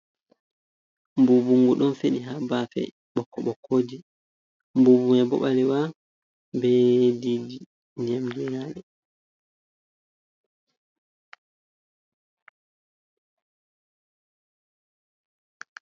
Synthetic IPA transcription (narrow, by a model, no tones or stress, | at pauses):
mbubuŋɡuɗɔnfeɗiɦabafɛ̰ | ɓɔkʰːɔɓɔkʰːoːd͡ʒi | mbubumɛbɔ̰ɓalɛwa | bɛdid͡ʒi | ɲamd͡ʒiɾaːɗɛ